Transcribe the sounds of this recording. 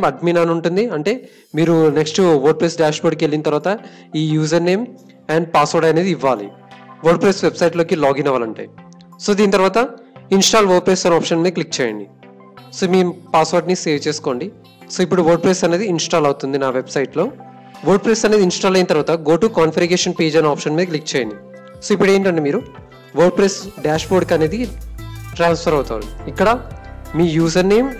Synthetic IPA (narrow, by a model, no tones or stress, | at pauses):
mɐɖminaːnuɳʈund̪iɐɳʈe̞ː | miːɾuneksʈuʋɐɾɖ̚pɾeːsɖaːʃboːɖkielːinɐt̪ɐɾʋaːt̪ɐ | iːjuːzɐɾne̞ːm | ɛːɳɖ̚paːsʋoːɾɖɐneːd̪iiʋːaːlḭ | ʋoːɾɖ̚pɾeːsʋebsɐjʈlo̞ːkilaːɡinɐʋaːlɐɳʈḛːj | so̞ːd̪iːnit̪ɐɾʋaːt̪ɐ | insʈaːlʋɐɾ̚pɾeːst̪ɐnaːpʂɐnmeːklik̚t͡ʃɛːjɐ̰ɳɖi | soːmiːpaːsʋoːɾɖnise̞ːʋt͡ʃe̞ːsu̥ko̞ːɳɖi | soːip̬ːuɽuʋɐːɾɖ̚pɾeːsɐne̞ːd̪iːnsʈaːlɐwut̪und̪inaːʋebsɐjʈlo̞ː | ʋɐːɾɖ̚pɾeːsɐne̞ːd̪insʈaːlɐjnɐt̪ɐɾʋaːt̪ɐɡoːʈuːkaːnfʰɐɾɐɡeːʃɐnpeːd͡ʒɐnaːpʂɐnmiːɾɐk̬lik̚t͡ʃɛːjɐ̰ɳɖi | soːip̬ːuɽe̞ːɳʈɐɳʈeːmiːɾu | ʋɐɾɖ̚pɾesɖaːʂpoːɖkɐne̞ːd̪i | ʈɾaːnspʰɐɾɐwt̪aːʋa̰likːɐɽɐmiːjuːzɐɾne̞ːm